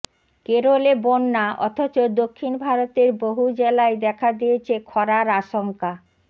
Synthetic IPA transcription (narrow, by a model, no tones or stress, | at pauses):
keɾolebonːaʔɔ̰t̪ʰot͡ɕod̪okʰːinbʱaɾot̪eɾboɦud͡ʑelaed̪ɛkʰad̪ijet͡ɕʰekʰɔɾaɾaʃoŋka